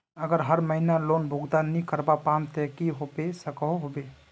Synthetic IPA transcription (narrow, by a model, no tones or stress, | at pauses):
əɡəɾɦəɾməɦinalonbʱuɡd̪anːikəɾbapamt̪ɛkiɦobesəkəɦobe